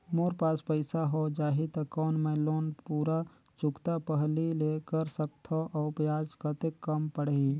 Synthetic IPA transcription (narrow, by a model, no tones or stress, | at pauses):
moːɾpaːspəɪsaɦod͡ʒaːɦit̪ɐkɔːnmẽloːnpuːɾa | t͡ʃʊkt̪apəɦlileːkəɾsəkt̪ʰoʔɔːpjaːd͡ʒkət̪ekːəmpəɽ̤i